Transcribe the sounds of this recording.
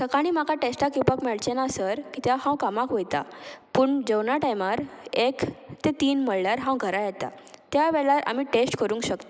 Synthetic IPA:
səkaɽ̃iːmakaʈesʈakupakmɛɭt͡ɕenasəɾkit̪jaɦãwkamakɦojt̪a̰puːɳd͡ʑəwnaʈajmaɾekt̪et̪iːnməɭlaɾɦãwɡʱəɾajɛt̪a̰t̪jaʋɛɭaɾa̰miːʈesʈkəɾũŋkɕəkt̪

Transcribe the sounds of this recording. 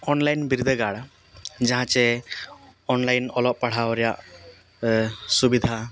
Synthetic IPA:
ɔnlajnbiɾd̪ʱəɡaɽa | d͡ʒaɦãt͡ʃɛ | ɔnlajnɔlɔʔ̚paɽ̤awɾɛjaʔ | subid̪ʱa

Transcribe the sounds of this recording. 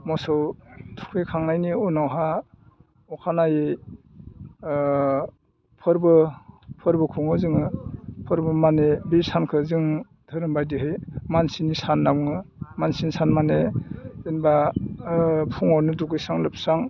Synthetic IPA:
mɔsɯwtʰu̥kʰɯjkʰaŋnajniunawɦa | ɔkʰanaje | pʰɯɾbɯpʰɯɾbɯkʰuŋɯzɯŋɯpʰɯɾbɯmanebisankʰɯzɯŋ | dʰɯɾɯmbajdiɦɯjmansinisanːawŋɯmansinsanmaneinba | pʰuŋɔɾnɯduɡɯjsaŋlɯp̚saŋ

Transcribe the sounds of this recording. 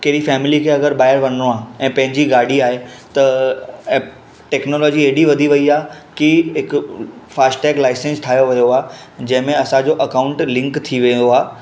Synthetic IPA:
keɾifɛːmɪlikʰeːɐɡəɾɓaːɪəɾʋɐnoaːɦɛ̃ːpɐ̃ɦɪ̃ɲd͡ʑiɡaːɽiaːɦet̪ɐ | ʈɛːknoːlɔːd͡ʑieːɗiʋɐd̪ʱiʋɐiaː | kiɦɪkfaːsʈʈɛːklaːɪsẽnsʈʰaːjoʋɐjoaː | d͡ʑɐ̃ɦɪ̃mẽɐsãd͡ʑoʔɐkaʊ̃ɳʈlɪ̃ŋkt̪ʰiʋejoaː

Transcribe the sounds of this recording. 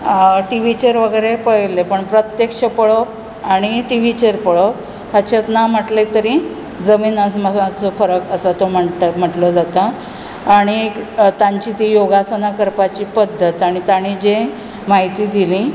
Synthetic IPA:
ʈiʋ̤it͡ɕeɾʋəɡəjɾepəɭlepəɳpɾət̪jekʂəpəɭo | aɽ̃iʈiʋit͡ɕeɾpəɭo | hət͡ɕʰet̪nam̤əʈlet̪əɾĩ | d͡zəmiːnaməãt͡sɔfəɾəkəsət̪om̤əm̤əʈləd͡zat̪aː | ɽ̃it̪ãɲt͡ɕiːt̪ijoɡasənakəɾpat͡ɕiːpəd̪ʱːət̪aɽ̃it̪aɽ̃id͡ʑe | maɦit̪iːd̪ilĩ

